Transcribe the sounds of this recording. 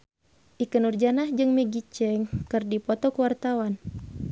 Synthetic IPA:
ʔikənurd͡ʒanahd͡ʒɨŋmɛɡit͡ʃɛŋkɨrdipɔt̪ɔkuwart̪awan

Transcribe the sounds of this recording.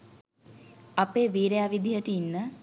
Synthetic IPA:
apeːʋiːɾejaːʋid̪ijəʈəinːə

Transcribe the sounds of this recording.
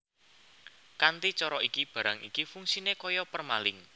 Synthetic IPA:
kant̪it͡ʃɔɾɔikib̥ä̤ɾaŋḭkifuŋsinekɔjɔpərmalɪŋ

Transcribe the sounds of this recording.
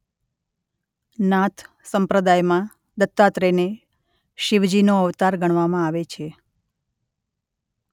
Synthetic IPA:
nãt̪ʰ | səmpɾəd̪ajmã | d̪ət̪ːat̪ɾene | ʃiʋd͡ʒinoəʋt̪aɾɡəɽ̃ʋamãaʋet͡ʃʰe

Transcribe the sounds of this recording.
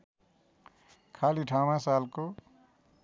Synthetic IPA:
kʰaːliʈʰaːwãsaːlko

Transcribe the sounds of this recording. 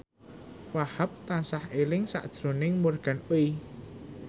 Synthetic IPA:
wahap̚t̪ansahelɪŋsa̰ʔd̥ʒ̥ɾonɪŋmorɡ̥a̤nwi

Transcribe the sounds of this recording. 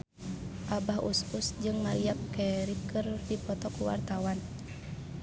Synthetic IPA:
ʔabaɦṵsusd͡ʒɨŋmaɾiap̚kɛɾikɨrdipɔt̪ɔkuwa̰rt̪awan

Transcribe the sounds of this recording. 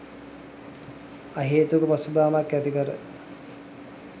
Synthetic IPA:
aɦeːt̪ukəpasubaːmakːæt̪ikəɾə

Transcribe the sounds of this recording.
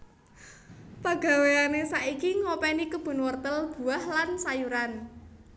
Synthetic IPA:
paɡ̥a̤weanesaʔikiŋɔpɛnikəb̥ʊ̤nwərt̪əlb̥ṳahlansajuɾan

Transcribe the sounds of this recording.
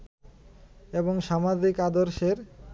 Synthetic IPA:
eboŋʃamad͡ʑikad̪oɾʃeɾ

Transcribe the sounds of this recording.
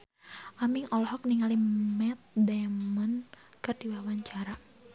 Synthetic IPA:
ʔamiŋɔlɔhɔk̚niŋalimɛt̪̚dɛmɔnkɨrdiwawaɲt͡ʃaɾa

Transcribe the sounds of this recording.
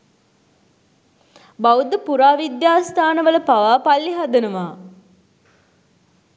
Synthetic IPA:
bawud̪əpuɾaːʋid̪jaːst̪ʰaːnəʋələpaʋaːpalːiɦad̪ənəʋaː

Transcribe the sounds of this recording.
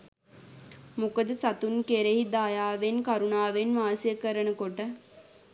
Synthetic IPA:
mukəd̪əsat̪unkeɾeɦid̪aːjaːʋenkaɾunaːʋenʋaːnsijəkəɾənəkoʈə

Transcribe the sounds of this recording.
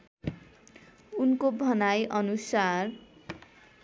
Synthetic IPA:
unkobʱʌnajʔʌnusar

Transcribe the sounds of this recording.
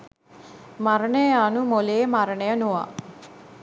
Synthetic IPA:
maɾəɳəjəanumoleːmaɾəɳəjənuʋa̰

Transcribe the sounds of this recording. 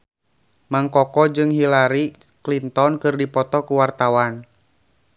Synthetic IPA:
maŋkɔkɔd͡ʒɨŋɦilaɾi | klint̪ɔnkɨrdipɔt̪ɔkuwart̪awan

